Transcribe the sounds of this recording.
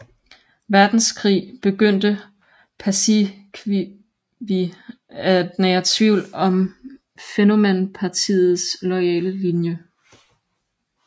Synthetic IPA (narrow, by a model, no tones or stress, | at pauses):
ʋæɐd̥n̩skʰʁḭːb̥e̝ɡ̥øn̰d̥ə | pʰæsi | i | ʋi | æd̥næɐt͡sʰʋiʊ̰lɒ̽m | feno̝menpʰɑ̈t͡sʰḭːð̩ˠslɒ̽ɪɛ̰ːləlinjə